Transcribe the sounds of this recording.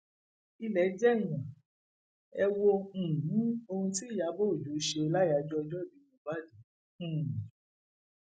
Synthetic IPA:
i˧lɛ˨˦d͡ʒɛ˦˨j̃ã˨ | ɛ˧wõ˧˨nĩ˨˦o˧hũ˧ti˦˨ja˨˦bo˦o˨d͡ʒu˨˦ʃe˧la˦ja˨˧˨d͡ʒɔ˦ɔ˧d͡ʒɔ˦˨bi˨˦jũ˧˨ba˦˨dũ˨˦˨

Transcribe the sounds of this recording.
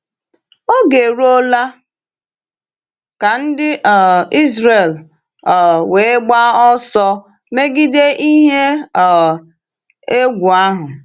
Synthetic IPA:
o˦ɡe˨ɾo˦la˦ | ka˨n̩˦dɪ˦˨i˦zɾe˨l | we˨˦ɡ͡ba˦ɔ˦sɔ˦ | me˦ɡi˦de˦ʔi˦ɦe˦˨ | e˦ɡʷu˨a˦ɦʊ˨

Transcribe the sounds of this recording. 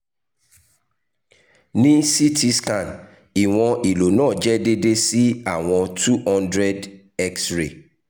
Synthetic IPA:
nĩ˦si˦tʰi˦skã˨n | i˨w̃ɔ̃˦ʔi˨lo˨nãː˦˨d͡ʒɛ˦de˦de˦si˦a˨w̃ɔ̃˧tʰu˦hɔ̃˦ndɾɛ˦d | ɛ˦ksɾḛ˨

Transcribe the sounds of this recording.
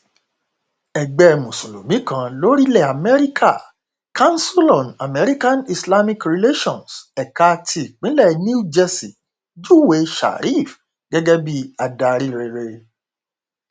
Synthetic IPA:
ɛ˨ɡ͡bɛ˨˧˨mũ˨so˨lo˨mĩ˨˦kã˧lo˦ɾi˦lɛ˦˨a˨mɛ˦ɾi˦kʰa˦˨ | kʰã˦n̩˦so˦lɔ̃˨na˨mɛ˨˦ɾi˦kã˦ni˧sla˦mĩ˦kɾi˨le˦ʃɔ̃˨nsɛ˨ka˧tʰi˦i˨k͡pĩ˨˦lɛ˦˨ni˦u˦d͡ʒɛ˧si˨ | d͡ʒu˦˨we˨˦ʃa̰˨ɾi˦˨f | ɡ̥ɛ˦ɡɛ˦bi˦a˧da˧ɾi˦˨ɾe˧ɾe˧

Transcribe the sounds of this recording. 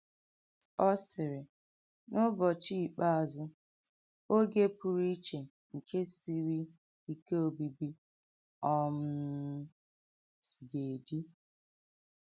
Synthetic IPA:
ɔ˦sɪ˨ɾɪ˨ | nʊ˦bɔ˨t͡ʃi˦˨k͡pa˦a˨zʊ˦ | o˦ɡe˦pu˨ɾi˦t͡ʃe˨ | ŋ̩˨ke˦si˦ɾi˦ | i˦ke˦o˨bi˨bi˦ | ɔ˦m̩˦ | ɡe˨di˦

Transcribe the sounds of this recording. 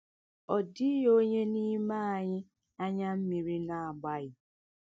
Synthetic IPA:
ɔ˨di˦jo˦ɲe˦ni˦ma˦a˨ɲɪ˦ | a˦ɲa˦m̩˦mi˨ɾi˦na˨a˨ɡ͡ba˦ɣɪ˨

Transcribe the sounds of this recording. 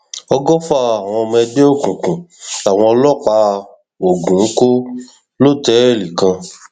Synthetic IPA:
ɔ˧ɡɔ˦fa˦˨a˨w̃ɔ̃˧ɔ˧mɛ̃˧de˦o˦˨kũ˨kũ˨a˨w̃ɔ̃˧ɔ˧lɔ˦˨k͡pa˨˦˧ | o˨ɡũ˨˦ko˦ | lo˦˨tɛ˨˦ɛ˦˨li˨kã˧

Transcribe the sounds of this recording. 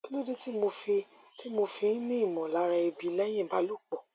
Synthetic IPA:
ki˦lo˦di˦ti˦mo˧fi˧ | ti˦mo˧fi˧n̩˦nĩ˦i˦˨mɔ̃˨la˨˧˦ɾa˧i˧bi˧lɛ˦j̃ɛ̃˦˨ba˨˦lo˦˨k͡pɔ˨

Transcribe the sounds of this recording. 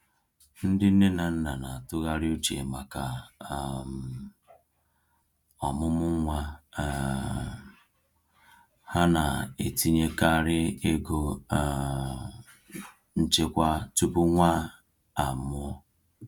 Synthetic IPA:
n̩˦dɪ˦n̩˦ne˦na˨n̩˦na˨na˨tʊ˦ɣa˦ɾɪ˦o˦t͡ʃḛ˨ma˨ka˨ | m˨ | ɔ˨mʊ˦mʊ˦ŋʷa˦˨ | ha˦na˨e˨ti˦ɲe˦ka˦˨ɾɪ˦e˦ɡo˨ | n̩˦t͡ʃe˦kʷa˦tu˦pʊ˦ŋʷa˦ | a˨mʊ˦ɔ˦

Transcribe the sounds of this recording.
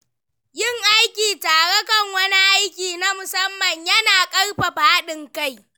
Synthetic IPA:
jɪ˦˨ŋʔa˦jkʲiː˨taː˨ɽe˦kɐ˦˨ŋwɐ˦ni˦ʔa˦jkʲiː˨na˦mʊ˨sɐ˦mːɐ˨ɲjɐ˦naː˨kʼɐ˦rɸa˨ɸaː˦ɗɪ˨ŋka˦˨j

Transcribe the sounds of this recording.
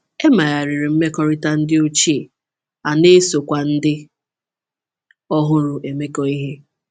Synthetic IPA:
e˦ma˨ja˨ɾɪ˨ɾɪ˨m̩˦me˦kɔ˦ɾɪ˦ta˦n̩˦dɪ˦o˦t͡ʃi˦e˨ | a˨ne˦so˨kʷa˨n̩˦dɪ˦ | ɔ˦ɦʊ˦ɾʊ˨ʔe˨me˦kɔ˦i˦ɦe˦

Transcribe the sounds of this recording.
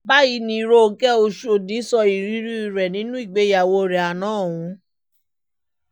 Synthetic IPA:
ba˦i˧nĩ˧ɾo˦o˧kɛ˦o˧ʃu˦o˧˨di˨˦sɔ˧i˨ɾi˨˦ɾi˦i˨ɾɛ˨nĩ˨˦nũ˦i˦˨ɡ͡be˨˦ja˨wo˧ɾɛ˨a˨nãː˦˨ũ˧˦

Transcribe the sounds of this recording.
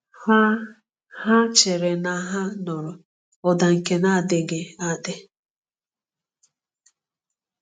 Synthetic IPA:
ha˦t͡ʃe˨ɾe˨na˨ɦa˦nɔ˨ɾʊ˨ | ɔ˨da˨ŋ̩˨ke˦na˦˨dɪ˦ɡɪ˦a˨dɪ˦

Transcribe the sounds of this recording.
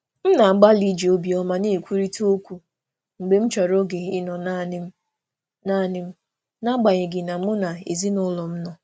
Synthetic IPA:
m̩˦na˨ŋ͡m̩˦ɡ͡ba˦li˦d͡ʒi˨o˦bi˨ɔ˦ma˦ne˦e˨kʷu˦ɾi˦tu˦o˦kʷu˨ | ŋ͡m̩˨ɡ͡be˦m̩˦t͡ʃɔ˨ɾo˦ɡe˨ɪ˦nɔ˨na˦˨nɪ˦m̩˦ | na˦˨nɪ˦m̩˦ | na˦ɡ͡ba˨ɲɪ˨ɡɪ˨na˨˦ʊ˦na˨ḛ˨zi˦nʊ˦lɔ˨m̩˦nɔ˨

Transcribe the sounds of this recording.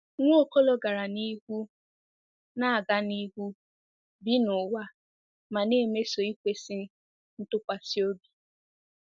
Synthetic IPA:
ŋʷʊ˦o˦ko˦lɔ˨ɡa˨ɾa˨ni˦hu˦ | na˦a˨ɡa˦ni˦ɡu˦ | bi˦nʊ˨wa˦ | ma˨neː˦˨me˦so˨i˦kʷe˦si˦ | n̩˦tʊ˦kʷa˨si˦o˦bi˨

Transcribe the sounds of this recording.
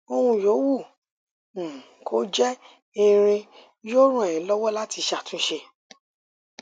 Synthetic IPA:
o˧ɾ̃ũ˧˨jo˨˦wũ˦˨ | kʰo˨˦d͡ʒɛ˦ | ĩ˧ɾ̃ĩ˧ | jo˦ɾ̃ũ˦˨ɛ̃˨ĩ˨˦lɔ˦wɔ˦la˦ti˧ʃa˨tũ˦ʃe˧

